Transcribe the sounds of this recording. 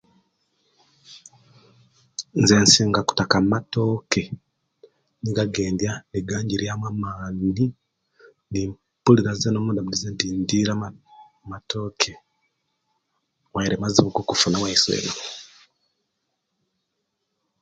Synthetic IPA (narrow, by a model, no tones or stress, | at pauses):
nzensiːŋɡaku̥takammato̞ːke̞ | niɡaɡe̞ːndjaniɡaːɲɟiɾjamwamaːni | nim | puliɾazenoːmudaβulizentindiɾa | mato̞ːkʰe | waiɾemaziβukukufunawaisḛːno